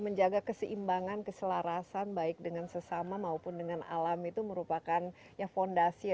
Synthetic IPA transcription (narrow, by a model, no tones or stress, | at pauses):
məɲd͡ʒaɡakəsəʔimbaŋankəsəlaɾasanbaɪk̚dəŋansəsamamaupʊndəŋana̰lamit̪uməɾupakan | jafondasi